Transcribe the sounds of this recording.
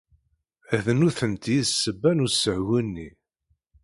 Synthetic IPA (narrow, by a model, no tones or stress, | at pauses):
æðənuθənt̪jiðsːəbænusəʕwinːi